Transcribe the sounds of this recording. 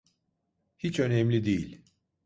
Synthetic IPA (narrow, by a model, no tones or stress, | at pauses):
hit͡ʃø̞nɛmlʲid̪ejilʲ